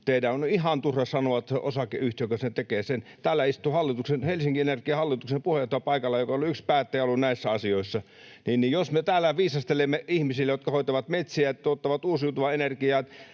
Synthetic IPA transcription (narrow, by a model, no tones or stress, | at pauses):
t̪eidæonihɑnt̪urɑsɑnoɑt̪ʔosɑkeyht̪jokɑsnet̪ekeːsent̪æːlːæist̪uhɑlːit̪uksenhelsiŋkienerkiɑhɑlːit̪uksempuheɑt̪ːɑpɑikɑlːɑjokɑoluykspæːt̪ːeˑolːunnæisːæɑsioisːɑ | niːnnijosmet̪æːlːæʋiːsɑst̪elemːeihmisilːejot̪kɑhoˑit̪ɑʋɑt̪met̪siæt̪ːot̪ːɑʋɑt̪uːsjut̪uʋɑenerkiɑː